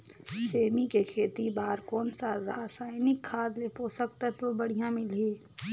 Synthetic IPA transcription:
seːmikekʰeːt̪ibaːɾkɔːnsaɾaːsaːɪnɪkʰːaːd̪lepoːsəkt̪ɛt̪obɐɽ̤ijãmɪleː

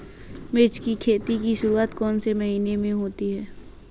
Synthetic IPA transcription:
mɪt͡ʃkikʰeːt̪ikiʃʊɾuaːt̪kɔːnsemɐɦiːnemẽɦoːt̪iɦɛː

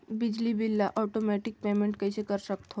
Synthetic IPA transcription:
bɪd͡ʒlibilːaʔɔːʈomɛːʈɪk̚peːmẽɳʈkɐisekɐɾsəkt̪ɦo

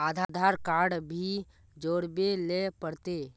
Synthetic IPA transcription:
aːd̪ʱad̪ʱaːɾkaːɾɖbʱi | d͡ʒoːɽbelepəɽt̪eː

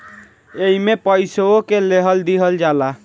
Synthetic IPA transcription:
eɦimepəjsookeleɦəld̪iɦəld͡ʒala

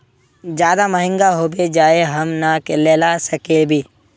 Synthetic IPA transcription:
d͡ʒjaːd̪aməɦɪ̃ŋɡaɦoːbed͡ʒaːeɦəmnakeleːlasəkebʱiː

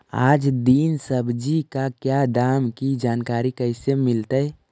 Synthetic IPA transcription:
aːd͡ʒd̪iːnsəbʱd͡ʒikakjad̪aːmkid͡ʒaːnkaːɾikəɪsemɪlt̪ə

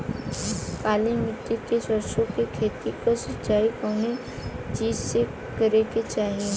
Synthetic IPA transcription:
paːlimɪt̪ːikesəɾʃõkekʰeːt̪ikasət͡ʃaːikɔːne | t͡ʃiːd͡ʒse | kəɾeket͡ʃaːɦiẽ

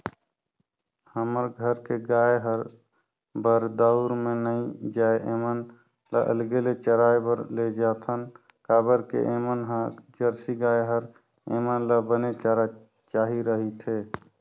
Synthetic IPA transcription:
həməɾɡʱəɾkeɡajɦəɾ | bəɾd̪əʊɾmenəid͡ʒaeʔemən | la̰ʔə̰lɡelet͡ʃəɾajbəɾled͡ʒat̪ʰən | kabəɾkḛʔemənɦəd͡ʒəɾsiɡajɦəɾ | ḛmənləbənet͡ʃaɾa | t͡ʃaɦiɾəɦit̪ʰe

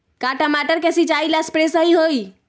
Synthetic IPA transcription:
kaʈəmaʈəɾkesit͡ʃailaspɾesəɦiɦoi

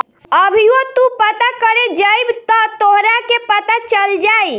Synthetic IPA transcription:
əbʱiot̪upət̪akəɾed͡ʒəjbt̪ɔt̪oɦɾakepət̪at͡ʃəld͡ʒaj

